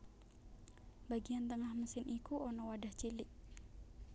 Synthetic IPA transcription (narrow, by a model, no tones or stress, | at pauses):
baɡiant̪əŋahməsɪnʔikuɔnɔwadaht͡ʃilɪʔ̚